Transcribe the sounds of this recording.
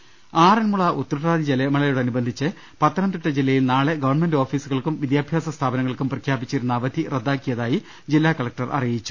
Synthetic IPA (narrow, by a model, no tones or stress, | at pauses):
aːrɐnmuɭɐʔut̪ːɐɾɐʈaːd̪id͡ʑelemɐɭɐjuɽeɐnubɐnd̪ʱit͡ɕːɨ | pɐt̪ːɐɾɐnd̪iʈːɐd͡ʑilːɐjilnaːɭeɡɐʋɐrɳmendo̞ːfiːsuɣɐɭkumʋid̪jaːbʱjaːsɐst̪ʰaːbɐnɐŋːɐɭkumprɐkʰjaːbit͡ɕːiɾunːɐːʋɐd̪ʱired̪ːaːkːijɐðaːji | d͡ʑilːaːkɐɭɐk̚ʈɐrʔɐ̰rijit͡ɕːu̥